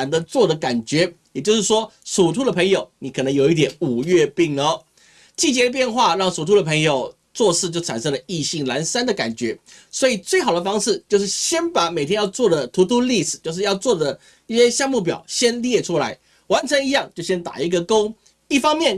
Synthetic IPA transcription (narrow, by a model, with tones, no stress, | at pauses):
nd̪ə˧t͡swɔ˥˩d̪ə˩ka˨˩nt͡ɕɥɛ˧˥jɛ˨˩t͡ɕjo˥˧ʊʂɻ̩˥˩ʂwɔ˥ʂu˨˩t̪ʰu˧˥d̪ə˨pʰɤ˧˥ŋjo˨˩ʊni˧˨˥kʰɤ˨˩nɤ˧˥ŋjo˨˩ʊi˥˩t̪jɛ˧˦nu˨˩ɥɛ˥˧pi˥˩ŋə˦ | t͡ɕʰi˥˩t͡ɕjɛ˧˥d̪ə˧pjɛ˥˧nxwa˥˧ɻɑ˥˩ŋʂu˨˩t̪ʰu˥d̪ə˨˩pʰɤ˧˥ŋjo˨˩ʊ | t͡swɔ˥˧ʂɻ̩˥˧t͡ɕjo˥˩ʊʈ͡ʂʰa̰˨˩nʂ̬ə˥ŋlə˨˩i˥˧ɕi˥˩ŋla˧˥nsa˥nd̪ə˨ka̰˨˩nt͡ɕɥɛ˧˥swɔ˧˥i˨˩t͡swe˥˩ɪxɑ˨˩ʊd̪ə˧fɑ˥ŋʂɻ̩˥˧t͡ɕjo˥˧ʊʂɻ̩˥ɕjɛ˥npa˨˥me˨˩ɪt̪ʰjɛ˥jɑ˥˧ʊt͡swɔ˥˩d̪ə˩t̪ʰu˧˥t̪u˥li˥˩sɹ̩˨˩t͡ɕjo˥˧ʊʂ̬ɻ̩˧jɑ˥˧ʊt͡swɔ˥˩d̪ə˩ | i˥˧˩e˥ɕjɑ˥˧ŋmu˥˩p̬jɑ̰˨˩ʊɕjɛ˥nljɛ˥˧ʈ͡ʂʰu˥la˧˥ɪ | wa˧˥nʈ͡ʂʰə˧˥ŋi˧˥jɑ˥˧ŋt͡ɕjo˥˩ʊɕjɛ˥nt̪a̰˨˩i˧˥ɡə˧ko˥ʊ | i˥˩fɑ˥ŋmjɛ˥˩n